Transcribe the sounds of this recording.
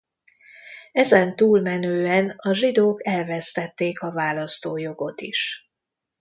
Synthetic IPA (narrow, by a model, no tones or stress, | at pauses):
ɛzɛnt̪uːlmɛnøːɛnɒʒid̪oːkɛlvɛst̪ɛt̪ːeːkɒvaːlɒst̪oːjo̞ɡo̞t̪iʃ